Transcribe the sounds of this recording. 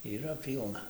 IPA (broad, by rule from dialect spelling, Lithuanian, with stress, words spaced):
iːˈrɐ ˈpʲiːlˠnɐ